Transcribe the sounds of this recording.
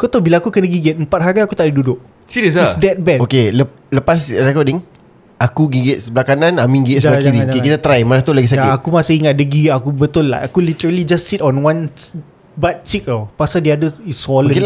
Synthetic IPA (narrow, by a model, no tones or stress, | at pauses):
kot̪obilaːkukənəɡiɡɛt̪̚əmpat̪̚ɦaɡaakut̪aʔdədudʊʔ̚ | sidəsasdɛt̪̚bɛokelə | ləpas̬ɾɛkɔdɪŋ | ʔakuɡiɡɛt̪̚səbəlakanãnamĩŋɡiɛtsalakiɾid͡ʒakkit̪at̪ɾajmanat̪ulaɡis̬akjaɪːkumasəiŋat̪̚dəɡiakubət̪ʊlːa̰akulit̪əɾəlid͡ʒastsit̪ɔnwãn | bat̪̚t͡ʃikəlpasaldiadəisɔlə̃